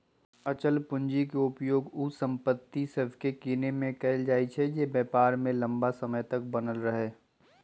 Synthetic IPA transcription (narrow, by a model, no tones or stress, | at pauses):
ɐt͡ʃəlpʊ̃ɲd͡ʒikeʊpjoːɡusə̃mpət̪ːisəbʱkekiːnemẽkɛɪld͡ʒaːit͡ʃʰɛjebjɛːpaːɾmẽlɐ̃mbasɐməjt̪ɐk̚bɐnəlɾəɦeː